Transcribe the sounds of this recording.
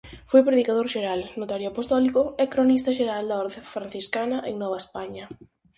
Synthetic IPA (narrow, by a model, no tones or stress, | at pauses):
fojpɾeðikaðoɾʃeɾalnot̪aɾjoapost̪ɔlikʊɛkɾonist̪ɐʃeɾald̪aɔɾðefɾan̟θiskanɐʔeŋnɔβ̞aespaɲɐ